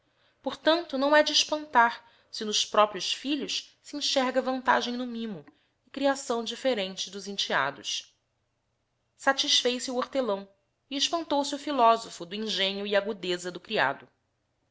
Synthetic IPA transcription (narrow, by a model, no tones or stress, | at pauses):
poɾt̪ɐ̃nt̪ʊnɐ̃w̃ɛd͡ʒɪːʃpɐ̃nt̪aɾ | sɪnʊʃpɾɔpɾiʊʃfiʎʊʃsiĩʃɛɾɡɐvɐ̃nt̪a̰ʒẽj̃nʊmĩmʊ | ɪkɾiasɐ̃w̃d͡ʒifeɾẽnt͡ʃɪd̪ʊzĩnt͡ʃia̰d̪ʊ̰ʃ | sat͡ʃiʃfejsɪuoɾt̪elɐ̃w̃ | ɪɪʃpɐ̃nt̪owsɪʊfilɔzofʊd̪ʊĩŋʒẽɲʊiaɡud̪ezɐd̪ʊkɾia̰d̪ʊ